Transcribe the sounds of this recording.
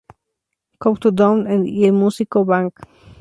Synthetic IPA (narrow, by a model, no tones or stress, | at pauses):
kopt̪ud̪õnẽnd̪iemusikobãŋk